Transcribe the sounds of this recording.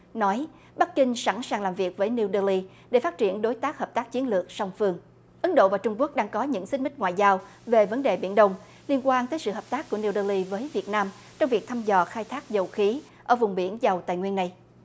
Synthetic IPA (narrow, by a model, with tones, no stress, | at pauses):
nɔ˨˦j | ɓa˦˥kkï˧ŋ̟sa̰˧˩nsaː˨˩ŋlaː˨˩mvi˨˩ək̚vəː˨˦jni˧wɗəː˧li˧ | ɗe˧˩faː˦˥t̚t͡ɕi˧˩ənɗo˨˦jt̪aː˦˥k̚həː˨˩p̚t̪aː˦˥k̚t͡ɕi˨˦ənlɨ˨˩ək̚sa˧wŋ͡mfɨ˧əŋ | ʔɨ˨˦ŋɗo̰˧˨vaː˨˩t͡ɕʊ˧ŋ͡mku˦˥ək̚ɗaː˧ŋkɔ˨˦ɲɨ̰˧˥ŋsï˦˥ŋ̟mï˦˥k̟̚ŋwa̰ː˧˨jzaː˧w | ve˨˩və˨˦nɗe˨˩ɓi˧˩ənɗə˧wŋ͡m | li˧ənkwaː˧nt̪əː˨˦jsɨ̰˧˨ɦəː˨˩p̚t̪aː˦˥kːu˧˩əni˧wɗəː˧li˧vəː˨˦jvi˨˩ət̚naː˧m | t͡ɕɔ˧wŋ͡mvi˨˩ək̚t̪ʰa˧mzɔ˨˩xaː˧jt̪ʰaː˦˥k̚zə˨˩wxi˨˦ | ʔəː˧˩vʊ˨˩ŋ͡mɓi˧˩ənza˨˩wt̪a̰ː˧˨ŋwi˧ənːa˧j